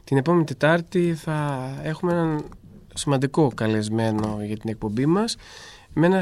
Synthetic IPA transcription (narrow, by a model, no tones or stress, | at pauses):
t̪ine̞po̞me̞nit̪e̞t̪ɐɾt̪iθɐe̞xumeenɐn | simɐnd̪iko̞kɐle̞zme̞no̞ʝɐt̪ine̞k̚po̞mbimɐs | me̞nɐ